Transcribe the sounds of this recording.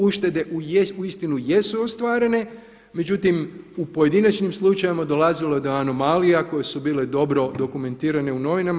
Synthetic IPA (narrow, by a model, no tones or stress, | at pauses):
uʃt̪e̞d̪e̞ʔuuist̪inuje̞suo̞st̪ʋaːɾe̞ne̞ | me̞d͡ʑut̪imupo̞je̞d̪inat͡ʃnimslˠut͡ʃajimad̪o̞lazilojed̪o̞ano̞malijako̞je̞subiːle̞d̪o̞bɾo̞d̪o̞kume̞nt̪iːɾane̞uno̞ʋinam